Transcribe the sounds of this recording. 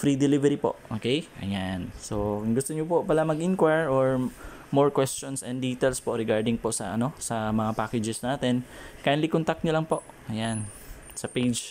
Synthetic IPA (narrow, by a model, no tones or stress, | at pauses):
fɾid̪ɛlɪvɛɾipoʔʔo̰ːkejʔɐ̰janso̞kʊŋɡʊst̪oɲopopɐlamɐɡʔɪnkwaɹoɹ | moɹkwɛst͡ʃonsɛnd̪iːt̪ɛlspoʔɾɛɡaɹd̪ɪŋpoʔsɐʔɐno̞sɐmɐŋapaːkɛd͡ʒɛsnaːt̪ɛnkajnlikont̪ak̚t̪ɲʊlɐŋpo̞ʔɐjan | sɐpejd͡ʒ